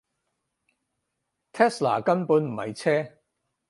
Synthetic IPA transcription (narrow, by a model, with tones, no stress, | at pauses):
t̪ʰɛː˥sla̰ː˨˩kɐ˥npuː˨˧nm̩˨˩hɐ̰˨˧jt͡sʰɛː˥